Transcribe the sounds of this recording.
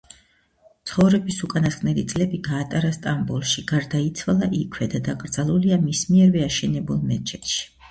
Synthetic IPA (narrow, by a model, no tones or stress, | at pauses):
t̪sʰχɔvɾɛbisukʼanaskʼnɛlit̪sʼlɛbiɡaːt̪ʼaɾast̪ʼambulˠʃiɡ̥aɾd̪ait̪sʰwalˠaʔikʰwɛd̪ad̪akʼɾd̪zalˠuliamismiɛɾvɛaʃɛnɛbulˠmɛt͡ʃʰɛt̪ʃi̥